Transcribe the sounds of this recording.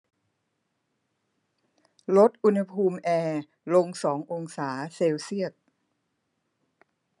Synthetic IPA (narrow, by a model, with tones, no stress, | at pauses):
lo˦˥t̪̚ʔu˧nha˧pʰuː˧mʔɛː˧ | lo˧ŋsɔː˩˦ŋʔo˧ŋsaː˩˦seː˧wsi˥˩ət̪̚